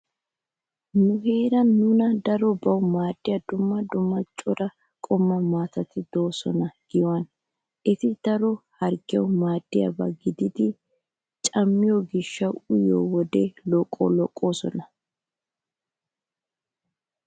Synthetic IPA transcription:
nʊɦe̞ːɾɐnːʊnɐd̪ɐɾɔbɐwʊmaːd̪ːɪjɐd̪ʊmːɐd̪ʊmːɐt͡ʃʼɔɾɐ | kʼɔmːɐmaːt̪ɐt̪ɪd̪o̞ːsɔ̰nɐɡ̥ɪjwɐn | ʔɪt̪ɪd̪̥ɐɾɔhɐɾɡɪɛwʊmaːd̪̥ːɪjɐ̰bɐɡɪd̪ɪd̪ɪ | t͡ʃʼɐmːɪjɔɡɪʃːɐwʊjo̰ːwɔd̪elɔkʼːɔ̰lɔkʼːoːsɔ̰nɐ

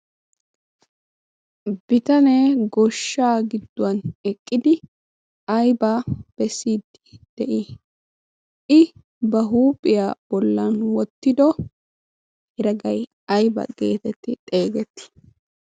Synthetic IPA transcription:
b̥ɪt̪ɐneːɡɔʃːaːɡɪd̪ːʊwɐnɛkʼːɪd̪ɪ | ɐjbab̥ɛsːiːd̪ɪ̥d̪̥ɛʔi | ʔɪ | bɐɦuːpʼːɪjaːb̥ɔlːɐnwɔt̪ːɪd̪ɔ | hɪɾɐɡɐj | ɐjbɐ̰ɡ̥e̞̰ːt̪ɛt̪ːɪt̪ʼe̞ːɡɛt̪ːɪ̥

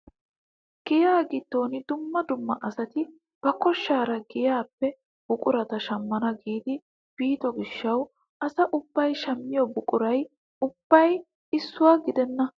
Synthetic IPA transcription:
ɡ̥ɪjaːɡɪt̪ːo̞ːnɪd̪ʊmːɐd̪ʊmːɐʔɐsɐt̪ɪ | b̥ɐkɔʃːaːɾɐɡɪjaːpːɛ | b̥ʊkʼʊɾɐt̪ɐʃɐmːɐnɐɡiːd̪ɪ | b̥iːt̪ɔɡɪʃːɐw | ʔɐsɐʔʊbːɐjʃɐmːɪjɔbʊkʼʊɾɐj | ʊb̥ːɐj | ɪsːʊwaɡɪd̪ɛnːɐ

